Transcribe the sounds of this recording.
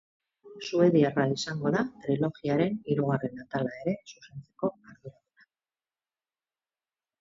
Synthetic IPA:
sue̞ðiaraisaŋɡo̞ðat̪ɾilo̞ɣiaɾe̞niɾuɣ̞are̞nat̪alae̞ɾe̞suse̞nt͡se̞̥ko̞aɾðuɾaɣuna

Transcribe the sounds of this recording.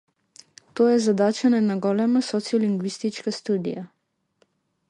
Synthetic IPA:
t̪oːjɛzad̪at͡ʃanɛnaɡɔlɛmasɔt̪sijɔliŋɡʋist̪it͡ʃkast̪uːd̪ḭja

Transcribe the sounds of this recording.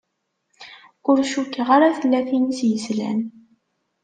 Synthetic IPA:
ʊɾʃukːəʁaɾaθəlːæθinsjəzlæ̰n

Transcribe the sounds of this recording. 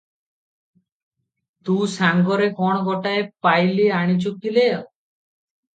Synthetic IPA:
t̪usaŋɡɔɾekɔɽ̃ɔɡɔʈaepajliaɽ̃it͡ʃuk̪ile

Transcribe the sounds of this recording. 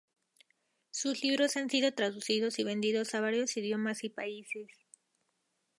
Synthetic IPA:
susliβɾo̞sansiðo̞t̪ɾaðusið̞o̞siβe̞nd̪iðo̞saβ̞aɾjo̞siðjo̞masipaise̞s

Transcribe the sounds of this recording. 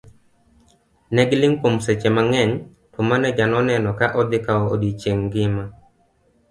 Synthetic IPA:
nɛɡlɪŋpomset͡ʃɛmaŋɛɲ | tʊmanɛd͡ʒanɔnɛnɔkaʔɔd̪ɪkaɔo̰dit͡ʃeŋɡɪma

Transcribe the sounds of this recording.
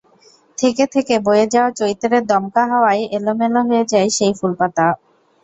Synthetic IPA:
t̪ʰeket̪ʰekebojed͡ʑaot͡ɕoɾit̪oɾed̪ɔmkaɦaoajelomeloɦoed͡ʑaeʃejfulpat̪a

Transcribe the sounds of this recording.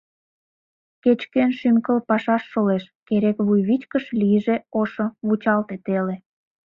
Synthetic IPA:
ket͡ɕkenʃymkəlpɑʃɑʃːoleʃkeɾekβujβit͡ɕkəʃliʒeoʃə̆βut͡ɕɑlt̪et̪ele

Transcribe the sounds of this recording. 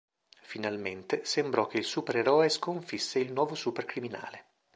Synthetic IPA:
finalment̪esembɾɔk̟ːeilsuːpeɾeɾɔeskoɱfisːeilnwɔːvosuːperkɾimina̰ːle

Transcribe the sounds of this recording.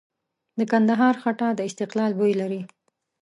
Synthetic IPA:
d̪əkand̪aɦɑɾxaʈad̪əɪst̪ɪqlɑlbojlaɾi

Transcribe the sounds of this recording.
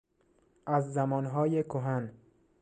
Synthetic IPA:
ʔæzːæmɒːnɦɒːjekʰoɦæn

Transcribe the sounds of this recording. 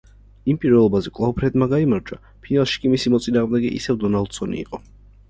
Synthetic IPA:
impʼiɾvɛlˠɔbazɛkʼlˠaupʰɾɛd̪maɡaimaɾd͡ʒwa̰ | pʰinalˠʃi̥kʼimisimɔt̪sʼinaːʁmd̪ɛɡɛʔḭsɛvd̪ɔnalˠd̪̥sɔnḭːqʼɔ

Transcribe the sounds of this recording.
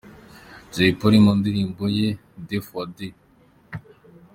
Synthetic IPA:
d͡ʒeipoɾimund̪iɾiːmboje | defode

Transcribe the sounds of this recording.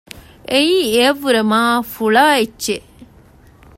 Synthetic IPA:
ʔejiːeɐʋːuɾemaːfuɭaːet͡ʃːt͡ʃːe

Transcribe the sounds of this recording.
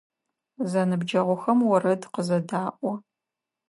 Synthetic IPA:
zɐnɨbd͡ʒɐʁʷʊxɐmwɔɾɐdqəzɐdaːʔʷɔ

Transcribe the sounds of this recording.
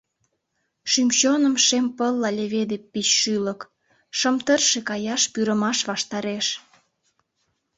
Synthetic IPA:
ʃymt͡ɕonəmʃempəlːɑlʲeβed̪epːiɕːylək | ʃəmt̪ərʃekɑjɑʃpyɾəmɑʃβɑʃt̪ɑɾeʃ

